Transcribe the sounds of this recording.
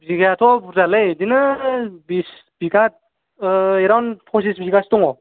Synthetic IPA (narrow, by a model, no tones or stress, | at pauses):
bziɡaatʰɔbuzalejdinɯbis | b̥iɡat̚ | eɾawnpʰɔs̬isbziɡastɔŋɔ